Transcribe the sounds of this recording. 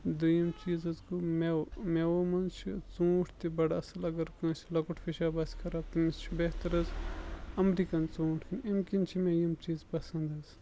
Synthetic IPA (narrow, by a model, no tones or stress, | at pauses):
d̪ɨjimt͡ʃiːzɐzkumemewomɐnt͡ʃʰit͡sũːʈʰt̪ibɐɽaɐsɐlɐɡɐɾkɨ̃ːsilɐkuʈʰfʰiʃaːbɐsʲkʰɐɾɐbt̪imist͡ʃʰibeɦt̪ɐɾɐzɐmɾikɐnt͡sũːʈʰimkint͡ʃʰimejɐmt͡ʃiːzpɐsɐnd̪ɐz